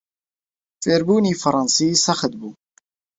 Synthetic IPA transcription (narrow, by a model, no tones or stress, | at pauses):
feɾbunifɑɾˤɑnsisaxəd̪bu